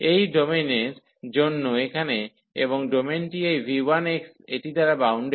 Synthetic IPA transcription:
ejɖomenen | d͡ʑonːoekʰane | eβoŋɖomenʈiejbʱiwanekseʈit̪aɾabawɳɖe

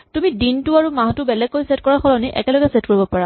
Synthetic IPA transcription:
tumidintuaɹumaɦtʊbɛlɛɡ̚kːojsɛt̚kɔɹaxɔlɔniʔɛ̰kɛlɔɡɛsɛt̚koɹibɔpaɹa

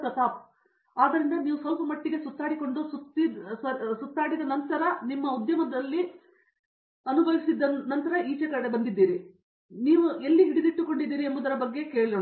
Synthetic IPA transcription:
tɐt̪aːp̚ | aːd̪ɐɾind̪ɐniːʋusɐlpɐmɐʈːiɡe̞sut̪ʰːaːɽiko̞ɳɖusut̪ːisut̪ːaːɽid̪ɐnɐnt̪ɐɾɐnimːɐud̪jɐmɐd̪ɐlːi | ɐnuɡɐʋisid̪ːɐnɐnt̪ɐɾɐʔiːt͡ʃɐkɐɽebɐnd̪id̪ːiːɾi | niːʋuʔelːiɦiɽid̪iʈːuko̞ɳɖid̪ːiːɾiɐmbud̪ɐɾɐbɐɡːe̞keːɭiɐ

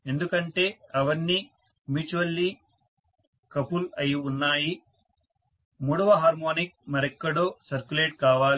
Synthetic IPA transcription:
e̞nd̪ukɐɳʈe̞ːɐʋɐnːi | miːt͡ʃuʋɐlːiː | kɐpulɐjiunːaːji | muːɽɐʋɐɦaːɾmoːnik̚mɐɾɛkːɐɽoːsɐɾkuleːʈ̚kaːʋaːli

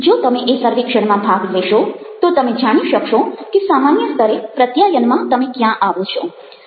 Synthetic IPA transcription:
d͡ʒot̪əmeʔesəɾʋikʃəɽmãbʱaɡleʃot̪ot̪əmed͡ʒaɽ̃iʃəkʃokesamanjəst̪ʰəɾepɾət̪jajənmãt̪əmekjãʔaʋõt͡ʃʰo

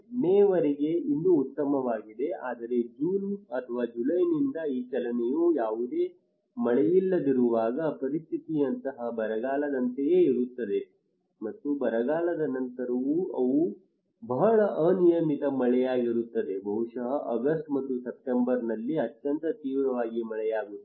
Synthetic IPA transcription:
neːʋɐɾiɡe̞inːuːt̪ːɐmɐʋaːɡid̪e̞aːd̪ɐɾe̞d͡ʒuːnɐt̪ʰɐʋaːd͡ʒulɐjnind̪ɐiːt͡ʃɐlɐnejujaːʋud̪e̞ː | mɐɭɛjilːɐd̪iɾuʋaːɡɐpɐɾist̪ʰit̪iɐnt̪ɐɦɐbɐɾɐɡaːlɐd̪ɐnt̪ejeːiɾut̪ːɐd̪e̞ | mɐt̪ːubɐɾɐɡaːɭɐd̪ɐnɐnt̪ɐɾɐʋuɐʋu | bɐɦɐɭɐʔɐnijɐmit̪ɐmɐɭɛjaːɡiɾut̪ːɐd̪e̞bʱɐɦuʂɐɦɐʔɐɡɐsʈmɐt̪ːusep̚ʈembɐɾnɐlːiɐt̪jɐnt̪ɐt̪iːʋɾɐʋaːɡimɐɭɛjaːɡu

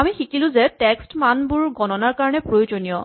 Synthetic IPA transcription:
amixikilʊ̃zɛtɛkstmanbʊɹɡɔnɔnaɹkaɹɔnɛpɹojod͡ʒonijɔ

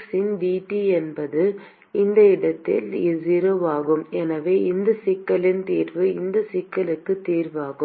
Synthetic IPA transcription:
sɪndiːʈːiɛnbɐðɯ | ɪnd̪ɐɪɽɐt̪ːɪ̰lɪzɪɾɐʋaːɣɯmɛnɐʋeːɪnd̪ɐsɪkːɐlɪnt̪iːɾʋɯɪnd̪ɐsɪkːɐlɯkːɯt̪ːiːɾʋaːɣɯ

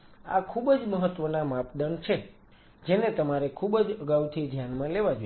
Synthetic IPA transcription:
a̰kʰubəd͡ʒməɦət̪ʋənamapd̪ənt͡ʃʰe | d͡ʒenet̪əmaɾekʰubəd͡ʒəɡawt̪ʰid̪ʱjanmãleʋad͡ʒoj

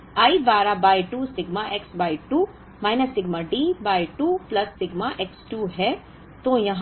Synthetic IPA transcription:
aːibaːɾabaːjʈuːsɪɡmaʔeksbaːjʈu | maːjnɐsːɪɡmaɖibaːjʈuːplɐsːɪɡmaʔeksʈuɦɛ | t̪ojɐɦ

